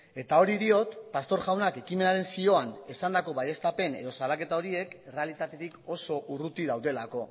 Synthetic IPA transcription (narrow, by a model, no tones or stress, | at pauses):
e̞t̪ao̞ɾiðio̞t̪past̪o̞ɾɣawnake̞kime̞naɾe̞nsio̞ane̞sand̪ako̞βaje̞st̪ape̞nḛð̞o̞salake̞t̪ao̞ɾie̞kere̞alit̪at̪e̞t̪iko̞so̞ʔurut̪iðawðe̞lako̞